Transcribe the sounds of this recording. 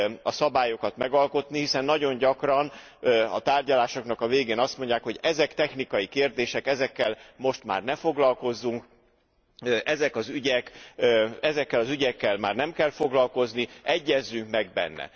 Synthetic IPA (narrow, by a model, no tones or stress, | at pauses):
ɒsɒbaːjo̞kɒt̪mɛɡɒlko̞t̪nihisɛnːɒɟo̞ɲɟɒkrɒn | ɒ̰t̪aːrɟɒlaːʃo̞kn̪ɒkɒveːɡeːnɒst̪mo̞ɲɟaːkho̞ɟɛzɛkt̪ɛxnikɒjikeːrd̪eːʃɛkɛzɛkːɛlmo̞ʃt̪ma̰ːrnɛfo̞ɡlɒlko̞zːuŋk | ʔɛzɛkɒzyɟɛkː | ɛzɛkːɛlɒzyɟɛkːɛlmaːrnɛmkɛlfo̞ɡlɒlko̞zniɛɟːɛzːyŋkmɛɡ̚bɛ̰nːɛ̰